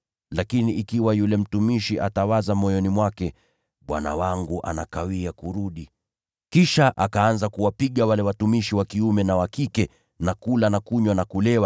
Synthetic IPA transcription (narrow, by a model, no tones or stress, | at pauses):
lakiniʔikiwajulɛm̩tumiʃiʔatawazamɔjɔnimwakɛ | ɓwa̰na̰waŋɡuʔa̰nakawiakuɾuɗi | kiʃaʔakaanzakuwapiɠawalɛwatumiʃiwakiumɛnawakikɛ | nakulanakuɲwanakulɛwa